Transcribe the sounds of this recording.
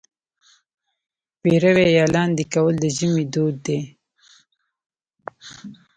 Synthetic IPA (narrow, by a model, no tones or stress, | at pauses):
peɾəwejɑlɑnd̪ekawəld̪əʒəmid̪od̪ːe